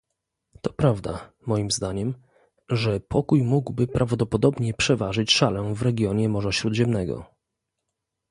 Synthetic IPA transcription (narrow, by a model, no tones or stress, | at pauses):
t̪ɔpɾavd̪a̰ | mɔjimzd̪aɲɛm | ʐɛpʰɔkujmuɡwbɘpɾʔavd̪ɔpɔd̪ɔbɲɛpʂɛvaʐɘt͡ɕʂalɛvɾɛɡʲjɔɲɛmɔʐaɕɾud̪ʑɛmnɛɡɔ̰